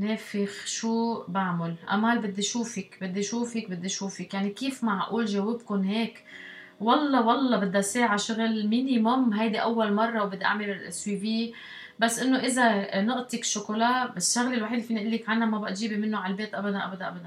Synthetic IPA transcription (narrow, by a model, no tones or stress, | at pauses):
neːfɪxʃuːbaʕmʊlʔa̰maːlbɪd̪ːiʃuːfɪkbɪd̪ːiʃuːfɪk̚bɪd̪ːiʃuːfɪkjaʕnikiːfmaʕʔuːlʒawɪbkʊnɦeːk | wɑlˤːɑwɑlˤːɑbɪd̪ːaseːʕaʃʊɣɪlmiːnimʊmɦajd̪iʔawːalmɑrˤːɑwbɪd̪ːiʔa̰ʕmɪlɪlʔswiviː | basːʔɪnːoʔɪzanʊʔt̪ˤikʃːʊkolaːʔbɪʃːaɣlɪlwaħiːd̪fiːnʔɪlːikʕanhamabaʔt̪ʒiːbimɪnːoʕalbeːt̪ʔabad̪anʔa̰bad̪anʔabad̪an